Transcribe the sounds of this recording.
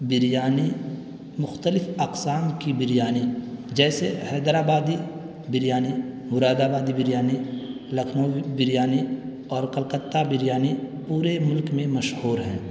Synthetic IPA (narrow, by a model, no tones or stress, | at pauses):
bɪɾjaːni | mʊxt̪əlɪfɐqsaːmkibɪɾjaːnid͡ʒɛːsehɛːd̪ɾaːbaːd̪i | bɪɾjaːnimʊɾaːd̪aːbaːd̪ibɪɾjaːni | lɐkʰnobɪɾjaːni | ɔːɾkəlqət̪ːabɪɾjaːnipuːɾemʊlkmẽmɐʃhuːɾɦɛ̰̃ː